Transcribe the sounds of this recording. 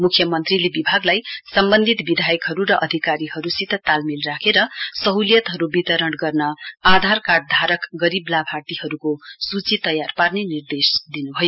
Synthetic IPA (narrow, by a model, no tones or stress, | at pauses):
mukʰjʌmʌnt̪rilebibʱaɡlajsʌmbʌnd̪ʱit̪bid̪ʱajʌkɦʌɾuɾʌʔʌd̪ʱikaɾiɦʌɾusit̪ːʌt̪almilrakʰeɾʌsʌɦuljʌt̪ɦʌɾubit̪ʌɾʌɽɡʌrnʌad̪ʱarkaɖ̚d̪ʱaɾʌkɡʌɾiblabʱart̪ihʌɾukosut͡sit̪ʌjarparnenird̪esd̪inubʱʌjo